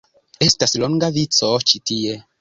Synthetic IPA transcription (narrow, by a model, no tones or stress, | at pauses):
e̞stasloŋɡavit͡so̞t͡ʃitie̞